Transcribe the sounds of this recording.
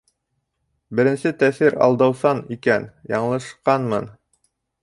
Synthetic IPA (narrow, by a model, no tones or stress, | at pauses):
bɘ̆ɾɘ̆nsɘt̪æθiɾɑ̰lˠd̪ɑwsɑnikænjɑ̰ɴlˠɤ̆ʃqɑnmɤn